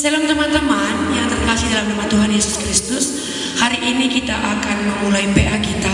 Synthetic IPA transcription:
səlaŋt̪əmant̪əmanjaŋt̪ərkasɪhdalamnamat̪uɦanjesʊ̥skɾist̪ʊs | haɾiʔinikit̪aʔakanməmulaipeʔahkit̪a

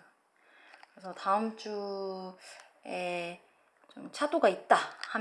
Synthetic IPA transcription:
kɯɾesʰʌtaɯmt͡ɕ͈u | e | t͡ɕomt͡ɕʰadoɡait̚t͈aham

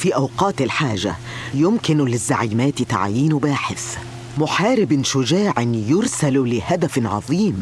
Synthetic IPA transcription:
fiːʔawqɑːt̪ɪlħaːʒa̰ | jʊmkɪnlɪzːaʕiːmæːt̪t̪a̰ʕjiːnbaːħɪθ | mʊħaːɾɪbnʃʊd͡ʒaːʕɪnjʊɾsallɪhad̪æfʕɑ̰ðˤiːm

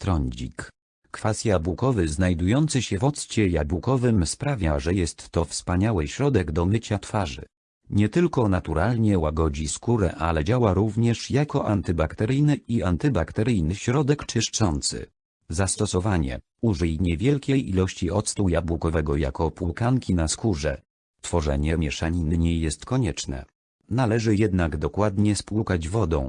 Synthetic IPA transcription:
t̪ɾɔɲd͡ʑḭk | kfasʲjabukɔvɘznajd̪ujɔnt̪sɘɕɛvɔt̪st͡ɕɛjabwukɔvɘmspɾavʲaʐɛjɛst̪ːɔfspaɲawɘɕɾɔd̪ɛɡd̪ɔmɘt͡ɕat̪faʐɘ̰ | ɲɛt̪ɘlkɔnat̪uɾalɲɛwaɡɔd͡ʑiskuɾɛ̰ʔalɛd͡ʑawaɾuvɲɛʂjakɔʔant̪ɘbakt̪ɛɾɘjnɘiant̪ɘbakt̪ɛɾɘjnɘɕɾɔd̪ɛkt͡ʂɘʂt͡ʂɔnt̪sɘ̰ | zast̪ɔsɔvaɲɛ̰ | uʐɛjɲɛvʲjɛlkʲejḭlɔɕt͡ɕiɔt̪st̪ujabwukɔvɛɡɔja̰kɔpulkaŋkʲinaskuʐɛ | t̪fɔʐɛ̰ɲɛmʲjɛʂaɲinɘɲejːɛst̪kɔɲɛt͡ʂnɛ̰ | nalɛʐɘjɛd̪naɡd̪ɔkwad̪ɲɛspwukad͡ʑvɔd̪ɔ̰̃w̃

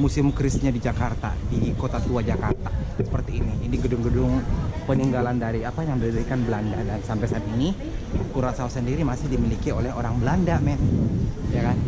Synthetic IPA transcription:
musɪmkɾɪsɲadid͡ʒakart̪a̰dikot̪at̪uad͡ʒakart̪asə̥pərt̪iːniːniɡədʊŋɡədʊŋpəniŋɡalandaɾiapajaŋdidəɾikanbəlandadansampajsaɪpini | kuɾasausəndiɾimasɪhdimilikiolɛɦoɾaŋbəlandamɛnjakan

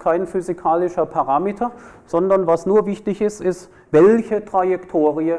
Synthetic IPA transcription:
kʰaɪnfyzikʰaːlɪʃɐpʰaʁaːmeːtʰɐz̥ɔndɐnvasnuːɐvɪçtɪçɪstɪst | vɛlçətʁ̥ajɛktʰoːʁiə

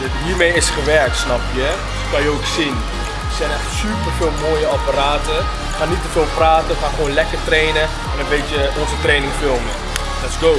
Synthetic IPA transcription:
dɔtɦiːɹmejɪsχəʋɛɹk̚tsnɑpjəɛ | tkɑnjəowksin | sɛjnɛχtsypərvɪːlˠmoːjəapaɾaːtə | χaːnːitəvɪːlˠpraːtəχaːnχəʋownlɛkərtrejnə | ɛnənbejtjəɔnzətrejnɪŋfɪlˠmə | lɛtɪsɡo

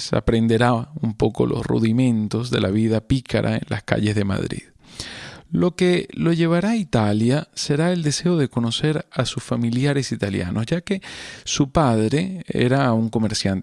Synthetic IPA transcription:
sa̰pɾe̞nd̪e̞ɾaumpo̞ko̞̰lo̞̰srṵðimẽ̞nt̪o̞zðe̞̰laβiðapikʰa̰ɾʔa̰ḛnla̰ska̰ʎe̞zðe̞ma̰ðɾḭð | lo̞ke̞lo̞ʝe̞βaɾait̪aljase̞ɾae̞ld̪e̞se̞o̞ðe̞ko̞no̞se̞ɾasusfamiljaɾe̞sit̪alja̰nʔozʝake̞supaðɾe̞ḛɾauŋko̞me̞ɾsjant̪

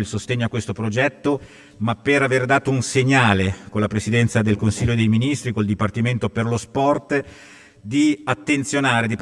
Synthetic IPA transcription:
ilsost̪eɲːoakːwest̪opɾod͡ʒɛt̪ːo | mapːeɾaverd̪aːt̪ounseɲːaːlekolapɾesid̪ɛnt̪sad̪elkonsilʎːoed̪ejminist̪ɾiekold̪ipart̪iment̪operlospɔrt̪ | d̪iat̪ːent̪sjonaːɾed̪ip

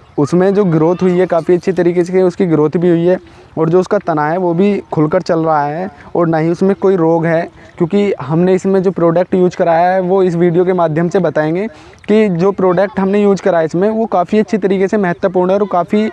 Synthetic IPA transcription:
ʊsmẽd͡ʒoːɡɪɾoːt̪ʰɦʊiɦɛkaːfiɐtːʃʰet̪ɐɾiːkeseʊskiɡɪɾoːt̪ʰbʱiɦʊiɦɛː | ɔːɾd͡ʒoːʊskat̪ɐnaɦɛʋobʱikʰʊlkəɾt͡ʃɐlɾɐɦaɦɛːɔːɾnaɦĩʊsmẽkoːiɾoːɡɦɛ | kjõːkiɦɐmneɪsmẽd͡ʒoːpɾoːɖək̚ʈjuːd͡ʒkɐɾaːjaɦɛʋoːɪsʋiːɖijokemaːd̪ʱjəmsebɐt̪aːẽːŋɡeː | kid͡ʒoːpɾoːɖək̚ʈɦɐmnejuːd͡ʒkɐɾaːjaɪsmẽʋokaːfiɐtːʃʰet̪ɐɾiːkesemɛɦət̪wəpuːɾɳ̃ɦɛɔːɾkaːfi

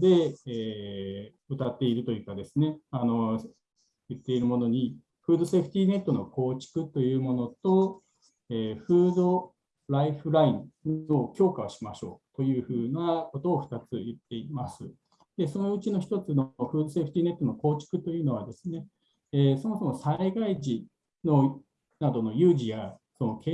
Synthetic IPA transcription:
d̪e̞eː | ɯt̪at̪ːe̞iɾɯ̟t̪o̞jɯ̟ːkad̪e̞sɨne̞ano̞ | jɯ̟t̪ːe̞iɾɯ̟mo̞no̞ɲ̟i | ɸɯ̟ːd̪o̞seɸɯ̟̥t̪ʲiːne̞t̪ːo̞no̞ko̞ːt͡ɕi̥kɯ̟t̪o̞jɯ̟ːmo̞no̞t̪o̞ | eːɸɯːd̪o̞ | ɾaiɸɯ̟ɾaĩno̞kʲo̞ːkaoɕimaɕo̞̰ːt̪o̞jɯ̟ːɸɯ̟ːnako̞t̪o̞ːɸɯ̥t̪at͡sɨjɯt̪ːe̞imasɨ | d̪̥e̞so̞no̞ɯ̟t͡ɕino̞çi̥t̪o̞t͡sɨnoo̞ɸɯ̟ːd̪o̞se̞ɸɯ̟t̪ʲiːne̞t̪ːo̞no̞ko̞ːt͡ɕi̥kɯ̟t̪o̞jɯ̟ːno̞β̞ad̪e̞sɨne̞ | eːso̞mo̞so̞mo̞saiɡaiʑi | no̞ | nad̪o̞no̞jɯːʑija | so̞no̞ke

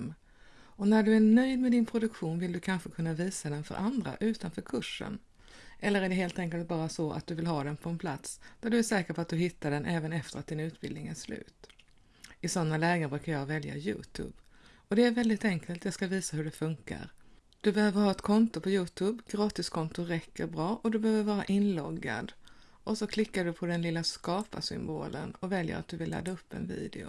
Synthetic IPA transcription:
m | ɔnæɖɵæɳœjd̪mɛd̪ɪnpʰɾʊd̪ɵkɧuːnvɪld̪ɵkʰanɧəkʰɵnːaviːsad̪ɛnfœ̰ɾʔand̪ɾa̰ʔʉ̟ːt̪anfœːɾkʰɵʂːə̰n | ʔɛlːəɾæɖɛɦeːlt̪ɛŋkəlt̪̚bɑːɾasɔa̰t̪̚d̪ɵvɪlɦɑːd̪ɛnpʰɔɛnpʰlat̪sd̪̥æɖɵæʂɛːkəɾpʰɔat̪̚d̪ɵɦɪt̪ʰːaɖɛnʔɛːvənɛft̪əɾat̪̚d̪ɪnʉ̟ːt̪bɪlnɪŋæʂlʉ̟̰ːt̪ | ɪsɔnːalɛːɡəbɾʉ̟ːkaɾjɑːvɛlja̰jʉ̰ːt̪ʰʉ̰ːb | ɔd̪ɛæɾvɛld̪ɪt̪ɛŋkʰəlt̪jɑːɡskaviːsaɦɵɖɛfɵŋka̰ɾ | d̪̥ɵbɛhøːvəɾhɑːɛt̪kʰɔnt̪ʊpʰɔjʉ̟ːt̪ʰʉːbɡɾɑːt̪ɪskʰɔnt̪ʊɾɛkʰːəɾbɾɑːʔɔd̪ɵbɛhøːvəɾvɑːɾaʔɪnlɔɡːa̰d̪ | ʔɔsɔkʰlɪkːaɖɵpʰɔd̪ɛnlɪlːaskɑːpa̰sʏ̰mbo̰ːlə̰nɔvɛljə̰ɾat̪̚d̪ɵvɪlːa̰d̪ːaɵpːɛ̰nvḭːd̪ɪ̰ʊ̰

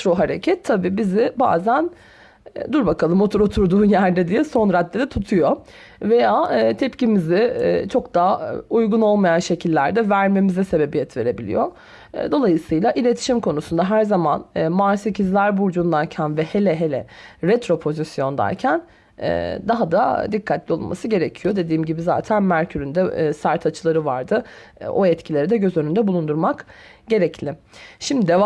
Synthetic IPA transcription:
t̪ɾo̞ɦaɾḛcʰɛt̪ʰːabiːbizɪba̰ːzæn | d̪uɾbakʰalˠɯmo̞t̪ʰuɾo̞t̪ʰuɾd̪uːnjæɾd̪ɛd̪ijɛso̞nɾad̪ːed̪ɛt̪ʰut̪ʰujo | ve̞jaːt̪ʰɛpcimizɪt͡ʃʰo̞kd̪aujɡuno̞lˠmajanʃe̞cʰilʲːæɾd̪ɛvæɾme̞mizɛse̞be̞bijɛt̪ve̞ɾe̞bilʲḭjo̞̰ | d̪o̞lˠajɯsɯjlˠaʔilʲe̞t̪ʰi̥ʃimkʰo̞nusund̪aɦæɾzamanːmaɾse̞cʰizlʲæɾbuɾd͡ʒund̪aɾcʰænvɛhe̞lʲɛɦelʲɛ̰ɾɛt̪ɾo̞pʰo̞zisjo̞nd̪a̰ɾcʰæn | ɛ̰d̪aɦad̪ad̪ikʰːat̪lʲio̞lˠmʔa̰sɯɟe̞ɾecʰijo̞d̪e̞d̪iːmɟibiza̰ːt̪ʰænmæɾcʰyɾynd̪ɛsaɾt̪ʰat͡ʃʰɯlˠaɾɯva̰ɾd̪ɯo̞ɛt̪cʰilʲe̞ɾid̪ɛɟø̞zønynd̪ɛbulˠund̪uɾmakɟe̞ɾɛclʲɪ | ʃimd̪id̪ɛ

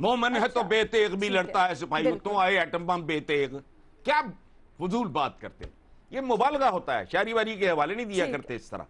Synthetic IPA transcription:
moːmənɦɛt̪obeːt̪eːɣbʱilɐɽt̪aɦɛsʊpʰaːiot̪õaːeɛːʈə̃mbãːmbeːt̪eːk | kjaː | fʊzuːlbaːt̪̚kɐ̰ɾt̪ḛ | jemʊbaːlɣaɦoːt̪aɦɛ̰ːʃaːɾiʋaːɾik̬eɦɐʋaːlenɐĩd̪ijakɐɾt̪eɪst̪ɐɾa̰ː

